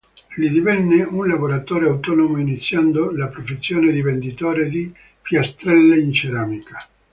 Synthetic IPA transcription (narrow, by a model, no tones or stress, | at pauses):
lid̪ivɛnːeunlavoɾat̪ɔːɾeawt̪ɔːnomoinit̪sːjand̪olapɾofesːjɔːned̪ivend̪it̪ɔːɾed̪i | fjast̪ɾɛlːeint͡ʃeɾaːmikḁ